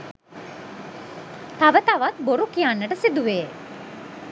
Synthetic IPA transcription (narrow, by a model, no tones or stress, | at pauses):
t̪aʋət̪aʋat̪̚boɾukijanːəʈəsid̪uʋeː